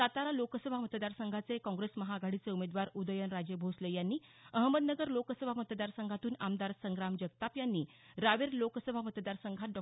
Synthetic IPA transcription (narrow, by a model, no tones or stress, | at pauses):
sat̪aɾalokəsəbʱamət̪əd̪aɾsəŋɡʱat͡sekɔ̃ŋɡɾesməɦaɡʱaɽit͡seumed̪ʋaɾud̪əjənɾad͡ʑebʱoslejanːiːəɦməd̪nəɡəɾlokəsəbʱamət̪əd̪aɾsəŋɡʱat̪uːnamd̪aɾsəŋɡɾamd͡ʑəɡ̚t̪apjanːiː | ɾaʋeɾlokəsəbʱamət̪əd̪aɾsəŋɡʱat̪̚ɖɔ